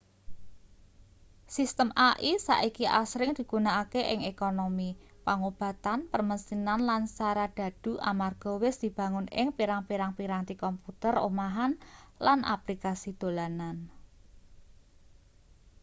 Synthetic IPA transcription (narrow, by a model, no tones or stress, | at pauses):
sist̪əmʔaʔisa̰ʔikiʔa̰sɾɪŋd̪̥i̤ɡ̥ṳnaːkeʔɪŋekonomi | paŋob̥a̤t̪anpərməst̪inanlansaɾad̪̥ä̤d̥ṳʔa̰marɡ̥ɔ̤wɪsd̪̥i̤b̥ä̤ŋʊnɪ̰ŋpiɾaŋpiɾaŋpiɾaŋt̪ikɔmput̪əro̰maɦanlanʔa̰plikasid̪̥o̤lanan